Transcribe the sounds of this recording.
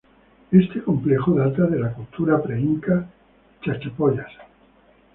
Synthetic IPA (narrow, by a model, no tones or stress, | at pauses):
e̞st̪e̞ko̞mple̞xoðat̪aðe̞lakult̪ʰuɾapɾeiŋka | t͡ʃat͡ʃepoʎas